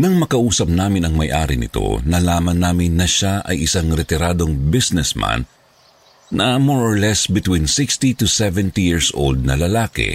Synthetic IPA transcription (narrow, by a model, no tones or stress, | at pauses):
nɐŋmɐkɐʔuːsɐp̚naːmɪnɐŋmɐjʔaːɾɪnɪ̰t̪o̞̰nɐlaːmɐnːaːmɪnːɐʃaʔɐ̰jʔɪsaŋɾɛt̪ɛɾaːd̪o̞ŋbɪsnɛsma̰nː | ʔɐmoɹʔoɹlɛsbɪt̪winsɪkst̪it̪ʊsɛvɛnt̪ijiɹsʔo̰wld̪̚nɐlɐlaːkɛ̰